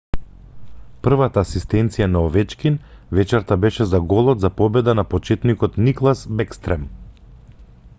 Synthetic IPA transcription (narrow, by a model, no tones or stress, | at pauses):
pr̩vat̪aːsist̪ɛnt̪sijanaɔvɛt͡ʃkinvɛt͡ʃɛɾt̪abɛʃɛzaɡɔlˠɔt̪zapɔbɛd̪anapɔt͡ʃɛt̪nikɔt̪niklˠasbɛkst̪ɾɛm